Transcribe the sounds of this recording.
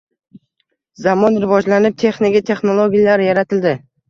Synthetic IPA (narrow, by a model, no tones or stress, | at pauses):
zamɒnɾɪvɒd͡ʒlanɪp̚t̪ʰe̞χnɪkʲit̪ʰe̞χnolˠoɡʲijalaɾɪjaɾat̪ʰɪld̪ɪ